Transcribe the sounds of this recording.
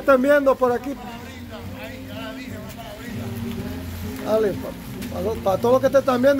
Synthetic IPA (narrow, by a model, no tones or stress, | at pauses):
t̪amjend̪opoɾaki | alepa | pat̪opat̪ooloket̪et̪ambjend̪